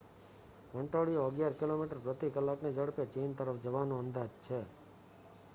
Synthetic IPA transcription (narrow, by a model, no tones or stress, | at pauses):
ʋəɳʈaɽijoəɡjaɾkɪlomiʈəɾpɾət̪ikəlːakned͡ʒəɽpet͡ʃent̪əɾəfd͡ʒəʋanõənd̪ad͡ʒt͡ʃʰe